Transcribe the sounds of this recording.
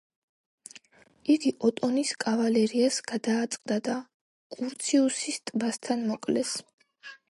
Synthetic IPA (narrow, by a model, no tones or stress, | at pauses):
iɡiʔɔt̪ʼɔniskʼavalɛɾiasɡ̥ad̪aːt̪sʼqʼd̪ad̪a | kʼuɾt̪sʰiusist̪ʼbast̪ʰanmɔkʼlɛs